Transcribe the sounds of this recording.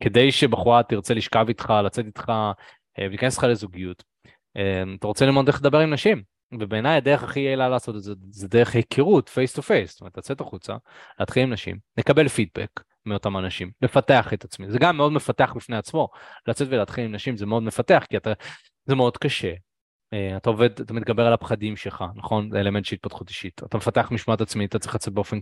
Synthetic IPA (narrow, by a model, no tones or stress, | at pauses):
ke̞d̪ejʃebaχuʁat̪iʁt͡se̞liʃkavit̪χalat͡se̞tit̪χa | velikanesle̥χalezuɡijut | emat̪aʁo̞t͡selimodled̪abe̞ʁimnaʃim | vebe̞eːnajade̞ʁeχaχiejlalaːso̞t̪zezedeʁeχhekʰiʁutfejst̪ufe̞jstometlat͡se̞taχut͡sa̰ | leat̪χilimnaʃḭmlekabe̞lfid̚bḛk | mio̞tamanaʃimle̞fateaχe̞t̪at͡smizeɡamːeo̞dmefate̞aχbifneat͡smo̞lat͡se̞tvelat̪χilimnaʃimzemeo̞dme̞fateaχkiat̪a | zemeo̞d̪kaʃe̞ | eat̪aove̞d̪at̪amit̪̚ɡabe̞ʁalapχadimʃelχanaχo̞nzeelement̪ʃelit̪̚patχuti̥ʃit̪at̪amefateaχmiʃmaatat͡smiat̪at͡sʁiχlat͡set̚beo̞fen